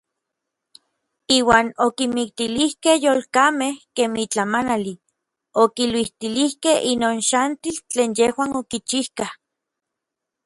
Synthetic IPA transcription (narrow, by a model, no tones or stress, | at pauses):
iːwaːnokimikt̪ilihkehjoːlkamehkeːmit͡ɬamanali | okilwiht̪ilihkehinoːnʃant̪ilt͡ɬeːnjehwaːnokit͡ʃihkah